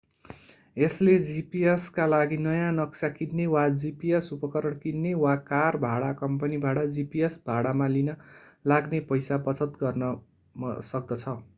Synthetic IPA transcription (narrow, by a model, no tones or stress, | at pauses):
esled͡zipieskalaɡinʌjãnʌksakid̪newad͡zipiesupʌkʌɾʌɽkinːewakarbʱaɽakʌmpʌnibaʈʌd͡zipiesbʱaɽamãlinʌ | laɡnepʌjsapʌt͡sʰʌt̪ɡʌrnʌ | sʌk̚d̪ʌt͡sʰʌ